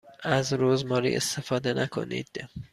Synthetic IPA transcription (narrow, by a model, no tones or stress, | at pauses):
æzɾozmɒːɾḭːʔest̪e̞fɒːd̪enækʰo̞̰nḭːd̪̥